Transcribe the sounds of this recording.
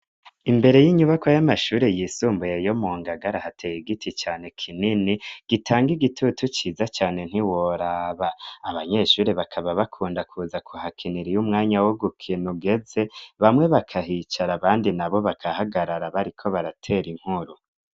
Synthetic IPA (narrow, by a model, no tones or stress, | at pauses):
imbe̞ɾe̞jiɲuβakojamaʃuːɾe̞jisuːmbujejo̞moːŋɡaɡaɾahatʰejiɡitʰit͡ʃaːne̞kʰininiɡ̥itʰaːŋɡiɡitʰutut͡ʃiːzat͡ʃaːne̞n̥hiwo̞ɾaːβaːβaɲe̞ʃuːɾeβakʰaβaβakʰuːndakʰuːzakʰuhakʰiniɾijumŋaːɲawoɡukʰinuɡe̞ze̞βamŋe̞βakʰaɦit͡ʃaɾaβaːndinaβo̞βakʰahaɡaɾaɾaβaɾikʰo̞βaɾatʰe̞ːɾiŋ̥huɾu